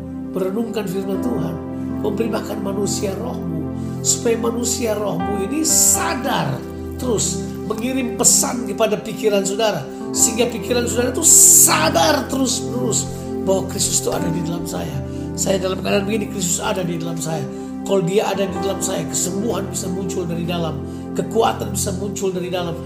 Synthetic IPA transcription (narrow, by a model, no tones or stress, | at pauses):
məɾənuŋkanfirmant̪uɦan | məmpəɾibahkanmanusiarɔ̰hmu | su̥pajamanusiarɔhmuinisadar | t̪əɾʊs | məŋiɾɪmpəsankəpadapikiɾansodaɾa | səɦiŋɡapikiɾansodaɾat̪usadart̪əɾʊsmənuɾʊs | bahwakɾist̪ʊ̥st̪ua̰dadidalamsa̰ja | sajadalampkadaːnbəɡinikɾis̬t̪ʊsa̰dadidalamsaja | kalodiaʔadadidalamsajakə̥səmbuɦanbisamuɲt͡ʃʊldaɾidalam | kəkua̰t̪anbisamuɲt͡ʃʊldaɾidalam